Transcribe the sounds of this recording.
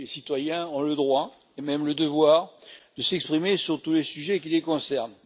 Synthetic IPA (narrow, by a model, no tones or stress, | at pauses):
esit̪wajɛ̃ɔ̃ləd̪ʁwa | emɛmləd̪əvwaːʁd̪əsɛkspχimesyʁt̪ulesyʒɛk̬ilekɔ̃sɛʁn